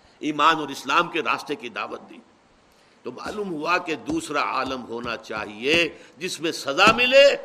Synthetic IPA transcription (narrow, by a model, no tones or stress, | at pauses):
iːmaːnɔːɾɪslaːmkeɾa̰ːst̪ekid̪a̰ːʋət̪̚d̪iː | t̪oma̰ːluːmɦuaked̪uːsɾaa̰ːləmɦoːnat͡ʃa̰ːɦied͡ʒɪsmẽsɐzamɪleː